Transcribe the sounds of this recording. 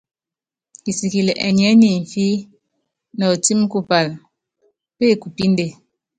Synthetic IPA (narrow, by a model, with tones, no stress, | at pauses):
ki˨si˨ki˨le˨ʔɛ̰˨ɲɛ˦ni˦˨ɱ̩˨fi˦ | nɔ˨ti˦m˦ku˦˨pa˨l | pe˦˨ku˨pi˦n˦de˦˨